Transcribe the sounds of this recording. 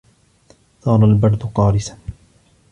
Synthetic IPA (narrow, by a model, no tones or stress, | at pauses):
sˤɑːɾˤɑlbɑɾˤd̪ʊqɑːɾɪsa